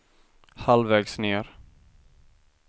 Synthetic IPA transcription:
halvɛːɡsneːɾ

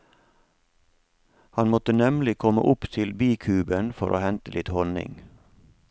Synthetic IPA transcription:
hɑnmɔt̪ənɛmlɪkʰɔmə̰ʔʊpt̪ʰɪlbiːkʰʉːbənfɔɾʔo̰ːhɛnt̪əlɪt̪hɔnɪ̰ŋ

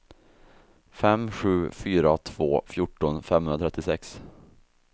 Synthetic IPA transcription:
fɛmɧʉ̟ːfyːɾat̪ʰv̥o̰ːfjʊʈːɔnfɛmhɵnɾat̪ʰɾɛt̪ːɪsɛks

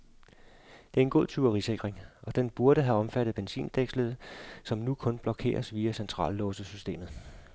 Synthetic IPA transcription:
d̥e̝æɐe̝nɡ̥o̝ð̰ˠt͡sʰyɐʁise̝ɡ̥ʁeŋʔɒ̽d̥enb̥uɐɾəɦæɒ̽mfæɾ̥ðˠb̥ensḭːnd̥eɡ̥sləð̩ˠsɒ̽mnukʰɔ̽nb̥lɒ̽kʰe̝̰ːɐsʋiːæsent͡sʰʁɑ̰̈ːlːɔːsəsysd̥e̝̰ːmð̩ˠ

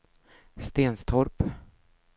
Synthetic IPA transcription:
st̪eːnst̪ʰɔɾp

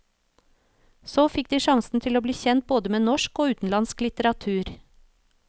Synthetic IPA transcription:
soːfɪkd̪iːʃɑŋsn̩t̪ʰɪloːbliːçɛnt̪̚boːd̪əmeːnɔʃkoːʉːt̪n̩lɑnsklɪt̪əɾɑt̪ʰʉːɾ

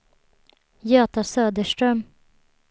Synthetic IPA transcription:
jøːt̪asøːd̪əʂʈɾœm

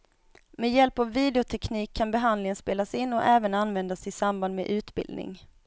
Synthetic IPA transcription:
mejɛlpavːiːd̪ɛʊt̪ʰɛkʰniːkʰːanbɛɦand̪lɪŋənspeːlasɪnːɔʔɛːvənanːvɛnd̪asɪsamband̪mɛ̰ʔʉ̟ːt̪bɪ̰ld̪nɪ̰ŋ

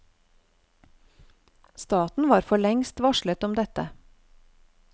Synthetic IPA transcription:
st̪ɑːt̪n̩ʋɑːɾfɔɭɛŋst̪ʋɑʃɭət̪ɔmd̪ɛt̪ə

